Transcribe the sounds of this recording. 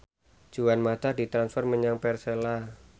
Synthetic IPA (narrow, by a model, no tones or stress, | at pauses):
d͡ʒ̥uwanmat̪adit̪ɾansfɔrməɲaŋpɛrsela